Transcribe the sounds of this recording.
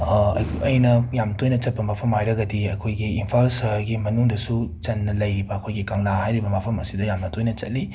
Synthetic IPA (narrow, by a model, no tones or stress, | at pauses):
ɐjnɐjamtojnɐt͡ʃɐt̚pɐmapʰɐmajɾɐɡɐdiɐkʰojɡiimpʰalsɐɾɡimɐnuŋdɐsut͡ʃɐnːɐlɐjibɐːkʰojɡikaŋlahajɾibɐmapʰɐmɐsidɐjamnɐtʰojnɐt͡ʃɐt̚li